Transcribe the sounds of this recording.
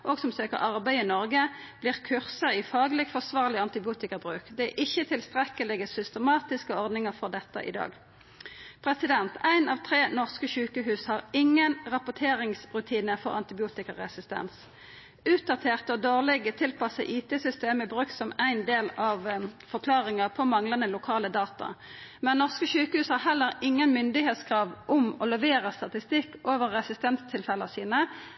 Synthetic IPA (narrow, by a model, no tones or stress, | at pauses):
ʔɔɡsɔmsøːkə̰ʁɑʁbæɪɪnɔʁɡəb̥lɪːʁkʰʉʁsəʁɪfɑːɡlɪɡfɔʁsʋɑːʁlɪɑnt̪ɪbɪuːt̪ɪkəʁbʁʉːkd̪ɛʔɪçːət̪ʰɪlst̪ʁɛkəlɪɡəsʏst̪əmɑːt̪ɪskəɔʁd̪nɪŋəʁfɔʁd̪ɛt̪ːə̰ʔɪ̰d̪ɑ̰ːɡ | pʰʁɛsɪd̪ɛnt̪ʰæɪnɑʋt̪ʰʁeːnɔʁskəçʉːkəɦʉːshɑːʁɪŋːənʁɑpʊʈ̪ʰeːɾɪŋsʁʉt̪ʰiːnəfɔʁɑ̰nt̪ɪbɪuːt̪ɪkəʁɛsɪst̪ɛ̰ns | ʉːt̪̚d̪ɑt̪ʰeːʁt̪ɔd̪oːʁlɪɡət̪ʰɪlpʰɑsə̰ʔiːt̪ʰɛsʏst̪eːməbʁʉk̚t̪sɔmæɪnd̪eːlɑʋfɔʁkʰlɑːʁɪŋəpʰɔmɑŋlɑnəlʊkʰɑːləd̪ɑːt̪ɑ̰mɛnnːɔʁskəʃʉːkəhʉːshɑʁhɛlːəʁɪŋːənmʏnd̪ɪheːt̪skʰʁɑːʋʔʊmɔlɛʋeːʁəst̪ɑt̪ɪst̪ɪkːoːʋəʁːɛsɪst̪ɛnst̪ʰɪlfɛləsiːnə